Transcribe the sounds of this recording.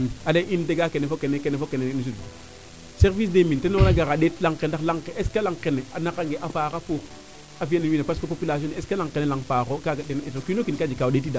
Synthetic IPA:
aleʔinteɡakenefokenekenefokenenis̬ud | seɾvis̬demintenoɾaɡaɣadetlaŋkendalaŋkeʔeskalaŋkeneanakaŋɡeʔafaːkafok | afijanewinepaskopopilas̬oneskalaŋkenelaŋfakokaɡadentokinokinkad͡ʒikadet̬ːida

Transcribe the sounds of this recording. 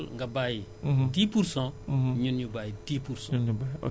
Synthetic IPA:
lŋɡabaːjitipuɾsɔ̃ɲunɲubajitipuɾsõɲunjuba̰

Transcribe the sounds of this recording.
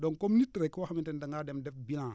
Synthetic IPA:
dokomnitːiɾekːiwaamintendaŋademdefbilã

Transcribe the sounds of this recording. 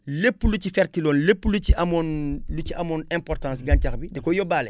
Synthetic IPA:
lepːlut͡ʃifɛɾtilonlepːlut͡ʃiamonlut͡ʃiamonɛ̃mpɔɾtãs̬ɡãɲt͡ʃakbidɛkojobaːle

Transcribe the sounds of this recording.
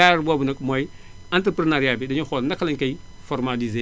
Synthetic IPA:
aɾbɔbunɐk̚mɔj | antɾəpɾɐnaɾiabidɐɲuxɔlndɐkːɐlɐɲkɐj | fɔrmalize

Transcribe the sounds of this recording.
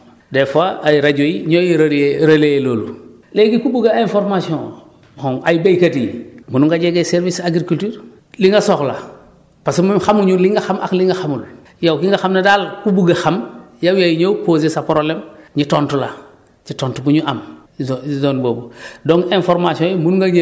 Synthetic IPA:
defaʔːjɾaɟojiɲojiɾaɾeɾɐleeloːlu | leɡikubuɡaẽnfoɾmasijõ | hoŋajbejkatimunuŋɡaɟeɡeseɾvisaɡɾikultiːɾ | liŋɡasoxla̰ | pasemuxamuɲuliŋɡaxama̰kliŋɡaxamul | jawkiŋɡaxamnedalkubuɡexamjawjajiɲowkoːzesapoɾolemɲitontula | ɲitoːntubuɲuʔam | zoːnbobudoŋɡẽnfoɾmasiõjimunuŋɡaɲ

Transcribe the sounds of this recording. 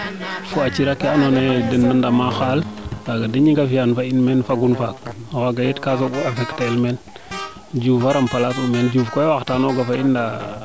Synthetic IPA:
fuat͡ʃiɾakːeanonedənːandamaxalbaɡadiɲiŋɡafijanfainmenfaɡunfak̚awaɡajetkas̬oɡuavektaelmen | d͡ʒufaɾampalasumend͡ʒufkowaxtanoɡafainda

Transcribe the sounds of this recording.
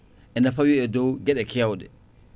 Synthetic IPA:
ʔɛnafawiɛdɔwɡɛɗɛkɛawɗɛ̰

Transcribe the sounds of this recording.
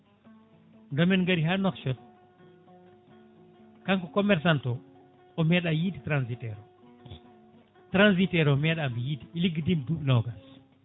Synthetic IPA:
ndɔmɛnŋɡaɾiɦanɔkt͡ʃɔt̚ | kaŋkɔkɔmɛɾs̬antɔ | ɔmɛɗajiditɾansitɛɾɔ | tɾans̬itɛɾɔmɛɗambɛjidiiliɡidimduɓnɔwɡas

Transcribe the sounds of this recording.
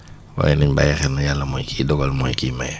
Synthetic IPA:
wa̰jniɲba̰jaxɛnːajalːamojkʰidɔɡɔlmojkiːmaj

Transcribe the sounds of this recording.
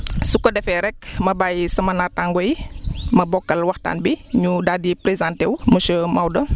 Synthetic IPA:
sukːɔdɛfɛɾɛk̚mɐbajsɐmɐnataŋɡɔjmɐbɔkːɐlwɐxta̰ːnbiɲudadipɾezãntɛwməʃəmawdɐ

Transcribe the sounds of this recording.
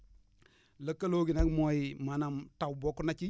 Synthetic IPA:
lakːaloɡinakmojimanamtawbokunat͡ʃi

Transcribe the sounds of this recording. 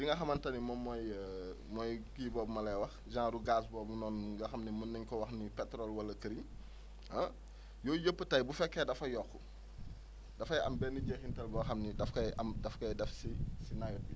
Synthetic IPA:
diŋɡɐxɐmɐntɐnimɔmːɔj | mɔjkiːbɔːbmɐlɛjwɐxd͡ʒãːɾuɡaːs̬bɔːbunɔːnɡɐxɐmnimunːɐɲkɔwɐxnipɛtɾɔlwɐlɐkəɾiɲ | ɐ | jɔːjəpːətɐjbufɛkːɛdɐfɐjɔxu | dɐfɐjɐ̰mbɛːnːiɟexintɐlbɔxɐmnidɐfkɐjʔɐmdɐfkɐjdɛfsisinajɔt̚bi

